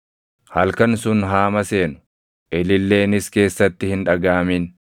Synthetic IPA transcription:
hɐlkɐnsʊnɦaːmɐse̞ːnʊ̥ | ʔɛlɪlːe̞ːnɪske̞ːsːɐt̪ːɪhɪnᶑɐɡaːmɪn

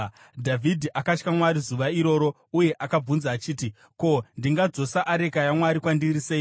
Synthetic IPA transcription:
dʱavʱidʱiʔakat͡ʃkamwaɾizuʋaiɾo̞ːɾo̞ | uje̞ʔakab͡vunzaːt͡ʃiːti | ko̞ndiŋɡad͡zo̞saʔaɾe̞kajamwaɾikwandirisei

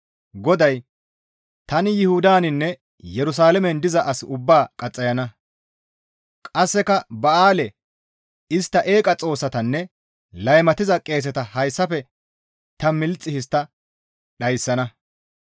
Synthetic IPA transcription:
ɡɔd̪ɐj | t̪ɐnɪjɪhud̪aːnɪnːɛ | jɛɾʊs̬aːlɛmɛnd̪ɪzɐʔɐsʊbːaːkʼɐt͡sʼːɐjɐnɐ | kʼɐsːɛkɐbɐaːlɛ | ɪst̪ːɐʔe̞ːkʼɐt͡sʼo̞ːsːɐt̪ɐnːɛ | lɐjmɐt̪ɪzɐkʼe̞ːs̬ɛt̪ɐhɐjsːɐfɛ | t̪ɐmɪlt͡sʼːɪhɪst̪ːɐ | ɗɐjsːɐnɐ

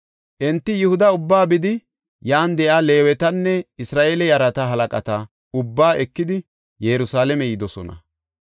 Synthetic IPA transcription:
ʔɛnt̪ːɪjɪhʊd̪ɐʊbːaːbɪd̪ɪ | jaːnd̪ɛʔaːle̞ːwɛt̪ɐnːɛɪsɾaːʔeːlɛjɐɾɐt̪ɐɦɐlɐkʼɐt̪ɐ | ʊbːaːʔɛkːɪd̪ɪ | jɛɾʊsaːlɛmɛjɪd̪ɔsɔ̰nɐ̰

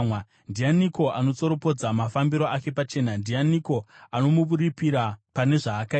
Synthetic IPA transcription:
mwa | ndianiko̞ʔano̞t͡so̞ɾo̞po̞d͡zamafambiɾo̞ake̞pat͡ʃe̞ːnandianiko̞ano̞muʋuɾipiɾapane̞ʐaːka

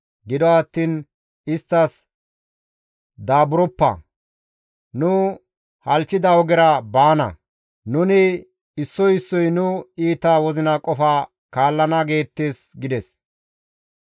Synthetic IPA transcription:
ɡɪd̪ɔɐt̪ːiːn | ɪst̪ːɐs | d̪aːbʊɾɔpːɐ̰ | nʊ | hɐlt͡ʃːɪd̪ɐwɔɡɛɾɐbaːnɐ̰ | nʊnɪ | ɪsːɔjɪsːɔjnʊiːt̪ːaːwɔzɪnɐkʼɔfa | kaːlːɐnɐɡe̞ːt̪ːeːsɡɪd̪ɛs

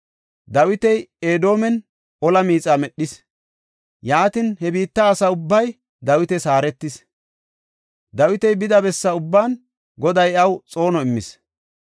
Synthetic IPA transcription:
d̪ɐwɪt̪ɛjeːd̪o̞ːmɛn | ʔɔlɐmiːt͡sʼaːmɛɗːɪs | jaːt̪ɪnhɛbiːt̪ːɐːsɐʊbːɐj | d̪ɐwɪt̪ɛsaːɾɛt̪ːɪs | d̪ɐwɪt̪ɛjbɪd̪ɐbɛsːɐʊbːaːn | ɡɔd̪ɐjɐwt͡sʼo̞ːnɔɪmːɪs

